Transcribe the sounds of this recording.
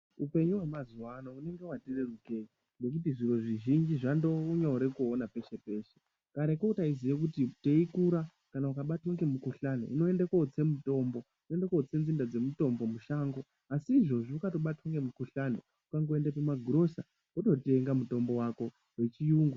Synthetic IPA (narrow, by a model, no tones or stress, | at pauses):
upe̞ɲuwemazuwanoune̞ŋɡe̞watire̞ruke̞ɲi | ŋɡe̞k̬ut̬iʐirwo̞ʐiʒind͡ʒiʐandouɲauɾekuonape̞ʃe̞pe̞ːʃe̞ | kaɾekoutaiziek̬utite̞ikuɾa | kanaukaɓatwoŋɡe̞mukuɬano̰ino̞e̞ndakot͡se̞muto̞mbo̞ | inoendakot͡se̞nzindad͡ze̞muto̞mbo̞muʃaŋɡo̞ | asiːʐo̞ʐiukato̞ɓatwoŋɡe̞mukuɬano | ukaŋɡoe̞ndapumaɡʱuɾo̞sa̰ | uto̞teŋɡamuto̞mbo̞wako̞ | we̞t͡ʃijuːŋɡu